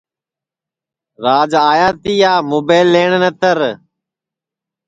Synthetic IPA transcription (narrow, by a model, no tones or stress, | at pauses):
ɾaːd͡ʒaːjaːt̪iːaːmoːbeːɪlːeːɳnət̪əɾ